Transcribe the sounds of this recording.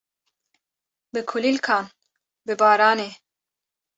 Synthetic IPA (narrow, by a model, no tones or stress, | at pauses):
bɨkʰulilkʰɑːn | bɨbɑːɾɑːneː